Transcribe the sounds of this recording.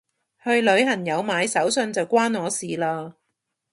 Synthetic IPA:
hɵ˧ɥlɵ˨˧ɥhɐ˨˩ŋjɐ˨˧wmaː˨˧jsɐ˨˥wsɵ˧nt͡sɐ˨wkʷwaː˥nŋɔː˨˧siː˨laː˧

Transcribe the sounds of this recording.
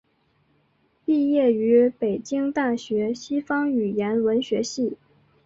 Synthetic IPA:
pi˥˧jɛ˥˩y˧˥pe˨˩ɪt͡ɕi˥ŋt̪a˥˩ɕɥɛ˧˥ɕi˥fɑ˥ŋy˨˩jɛ˧˥nwə˧˥nɕɥɛ˧˥ɕi˥˩

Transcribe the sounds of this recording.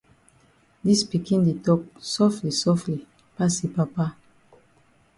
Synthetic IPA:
di˦spi˨kĩ˦nde˨tɔ˦p̚sɔ˦fli˨sɔ˦fli˨ | pa˦si˨pa˨pa˦

